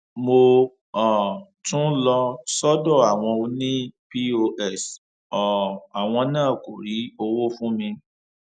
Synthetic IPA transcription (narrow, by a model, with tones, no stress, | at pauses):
mo˧ | ɔ˨ | tũ˦lɔ˧sɔ˦dɔ˦˨a˨w̃ɔ̃˧o˧nĩ˦pi˦o˧ʔɛ˦˨s | ɔ˨a˨w̃ɔ̃˧nãː˦˨ko˨ɾi˨˦o˧wo˦fũ˦mĩ˧